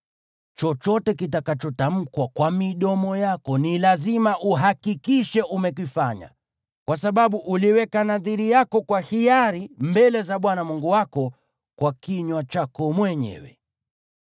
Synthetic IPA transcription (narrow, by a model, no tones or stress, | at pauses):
t͡ʃɔt͡ʃɔtɛkitakat͡ʃɔtam̩kwakwamiɗɔmɔjakɔnilazimaʔuɦakikiʃɛʔumɛk̬ifaɲa̰ | kwasaɓaɓuʔuliwɛkanaðiɾijakɔkwahijaɾimbɛlɛzaɓwanamuŋɡuwakɔ | kwakiɲwat͡ʃakɔmwɛɲɛ̰wɛ̰